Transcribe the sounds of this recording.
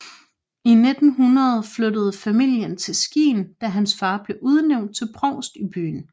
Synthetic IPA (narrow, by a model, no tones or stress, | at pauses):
ine̝d̥n̩ɦunʁɐð̞ˠflødəð̞̩ˠfæmil̰jənt͡sʰe̝lsɡ̥ḭːnd̥æɦænsfɑ̈ːb̥le̝ʔuð̞ˠəneʊ̰nd̥̚t͡sʰe̝lpʰʁɒʊsd̥ib̥y̰ːn